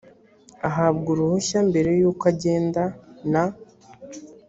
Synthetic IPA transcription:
aɦabɡuɾuhoçambe̞ɾe̞jukaɟe̞ːndana

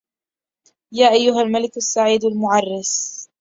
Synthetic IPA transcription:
jaːʔajːʊɦalmalɪkasːaʕiːd̪almʊʕɑrˤːɪs

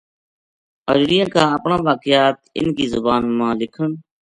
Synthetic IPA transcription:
əd͡ʒɽijãːkãːəpɳãːʋaːkɪjaːt̪ɪ̰nkiːzʊbaːnmãːlɪkʰən

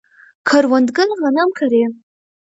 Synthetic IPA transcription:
kʰarwandɡɨnʁanamkʰaɾe

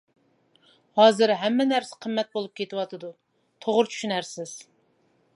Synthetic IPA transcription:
hɑːzɨɾɦɛmːɛnæɾsɪ̥qʰəmːɛt̪̚bolˠup̚kʲʰet̪ɪwɑt̪ʰɨd̪u | t̪ʰoʁʊɾt͡ʃʰy̥ʃynɛɾsɪz̥

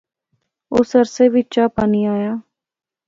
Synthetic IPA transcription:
ʊsəɾseːʋɪt͡ʃaːpaːniːaːjaː

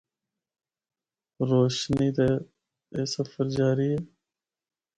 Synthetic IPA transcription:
ɾoːʃnid̪e | esɐfəɾd͡ʑaːɾie

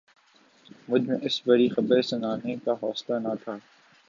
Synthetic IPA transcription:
mʊd͡ʒʱmẽʔɪsbɐɽixɐbəɾesɐnaːnekaɦɔːslanɐt̪ʰaː

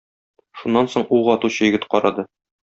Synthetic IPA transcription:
ʃunːɑnsoɴuʁɒt̪uɕɤ̆jɘ̆ɡɘt̪qɒɾɑ̰d̪ɤ

